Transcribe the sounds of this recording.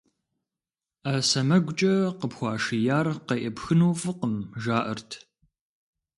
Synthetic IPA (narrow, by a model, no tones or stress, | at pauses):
asɐmɐɡʷʊt͡ʃʼɐqəpxʷɑːʂijaːrqɐʔɐpxɨnuːfɨqəmʒaːʔɐrtʰ